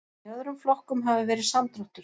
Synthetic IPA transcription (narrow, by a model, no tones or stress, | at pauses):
œðɾʏmflɔhkʏmɦavɪvɛːɾɪðsamt̪ɾɔht̪ʏɾ̥